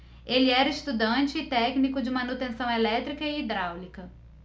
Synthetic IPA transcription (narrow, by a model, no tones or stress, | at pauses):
elɪɛɾɐist̪ud̪ɐ̃t͡ʃɪːt̪ɛknikʊd͡ʒɪmɐnut̪ẽsɐ̃w̃ɛlɛt̪ɾikɐɪːd̪ɾawlikɐ